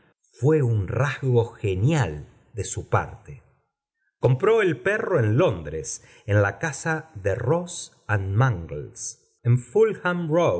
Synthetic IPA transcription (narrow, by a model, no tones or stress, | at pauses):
fweunrahɣo̞xenjal | d̪esupa̰ɾt̪e | ko̞mpɾo̞elpero̞enlo̞nd̪ɾes | enlakasaðeros | anmãŋɡls | eɱfulxamro